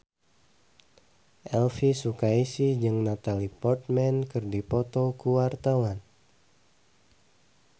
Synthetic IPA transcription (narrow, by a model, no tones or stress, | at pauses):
ʔɛlfisukaisid͡ʒɨŋnat̪alipɔrt̪̚mɛnkɨrdipɔt̪ɔkuwart̪awan